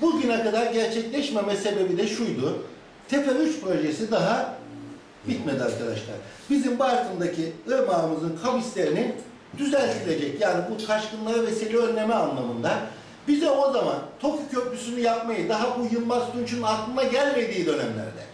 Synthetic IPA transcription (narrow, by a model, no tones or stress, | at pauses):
buɟynakad̪aɾɟæɾt͡ʃʰɛclʲɛʃme̞mɛse̞be̞bid̪ɛʃujd̪u | t̪ʰe̞peyt͡ʃpɾo̞ʒesid̪aɦa | b̥it̪me̞d̪ia̰ɾkʰad̪a̰ʃlˠa̰ɾbizimbaɾt̪ʰɯnd̪acʰiɯɾmaːɯmɯzɯnkʰabislʲe̞ɾinin | d̪yzælʲt̪ilʲe̞d͡ʒɛcjaːnibut͡ʃʰaɾʃkɯnlˠaɾavɛsilʲiø̞nlʲe̞mɛanlˠamɯnd̪a | bizɛo̞zamant̪ʰo̞kʰucʰøplʲysynyjap̚majɯd̪aɦabujɯnbast̪unt͡ʃʰynnak̪lˠɯmd̪aɟælʲme̞d̪iːd̪ø̞næmlʲæ̰ɾd̪ɛ̰